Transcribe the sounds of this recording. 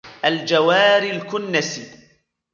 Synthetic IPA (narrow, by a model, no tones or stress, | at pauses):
ʔald͡ʒawaːɾilkʊnːas